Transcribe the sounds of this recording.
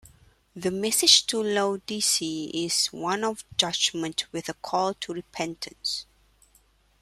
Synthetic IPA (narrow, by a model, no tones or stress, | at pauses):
ðəmɛsɪ̥d͡ʒtʰuloʊdisiɪz̥wãnɔvd͡ʒad͡ʒmə̃ntʰwɪðəkʰɔltʰuɹɪpʰɛ̃ntʰə̃ns